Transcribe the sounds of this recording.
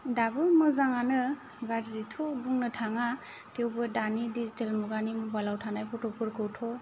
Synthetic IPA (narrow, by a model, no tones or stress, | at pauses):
dabɯmɯzaŋanɯ | ɡaɾzitʰɔbuŋnɯtʰaŋa | tewbɯdanidizitelmɔɡanimubalawtʰanajpʰɔtɔpʰɯɾkʰɯwtʰɔ